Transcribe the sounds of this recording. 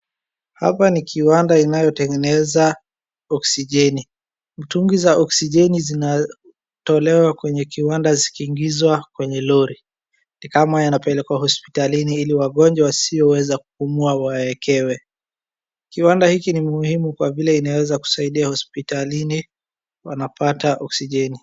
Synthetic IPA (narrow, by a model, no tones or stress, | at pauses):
ha̰panikʰiwandainajɔtɛŋɡɛnɛza | ɔksiʄɛni | m̩tuŋɡizaʔɔksiʄɛnizina | tɔlɛwakwɛɲɛkiwandazikiːŋɡizwakwɛɲɛlɔɾi | nikamajanapɛlɛkɔahɔspi̥taliniiliwaɠɔɲd͡ʒawasiɔwɛzaku̥kumuawaɛkʰɛwɛ | kiwandahikinimuhimukwavilɛinawɛzaku̥saiɗiahɔspitalini | wa̰napataʔɔksiʄɛni